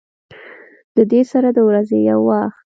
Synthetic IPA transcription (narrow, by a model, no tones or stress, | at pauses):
d̪̥əd̪esaɾad̪əwɾazejawːɑxt̪